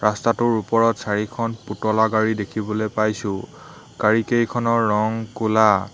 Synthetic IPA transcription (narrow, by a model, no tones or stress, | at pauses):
ɹastatʊɹupɔɹɔtsaɹikʰɔnputɔlaɡaɹidekʰibɔlojpajsʊ̃ | ɡ̥aɹikejkʰɔnɔɹːɔŋkula